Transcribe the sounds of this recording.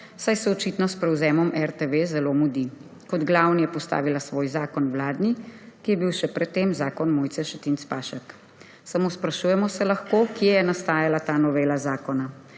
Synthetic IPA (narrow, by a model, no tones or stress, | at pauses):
sajsɛɔt͡ʃit̪nɔspɾɛwzɛːmɔmʔɛɾt̪eʋezɛlomud̪i | kɔd̪ɡlaːwnijɛpɔst̪a̰ːʋilasʋoːjzaːkɔnʋlaːd̪nikijɛbiwʃɛpɾɛt̪ːemzaːkɔnmoːjt̪sɛʃɛt̪int̪spaːʃɛk | samospɾaʃujɛmɔsɛlaxkokjɛjɛnast̪aːjalat̪aːnɔʋeːlazaːkɔna